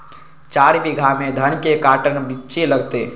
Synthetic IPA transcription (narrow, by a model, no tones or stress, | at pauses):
t͡ʃaːɽibiɡʱamẽd̪ʱənkekaːʈənbɪt͡ʃeləɡt̪eː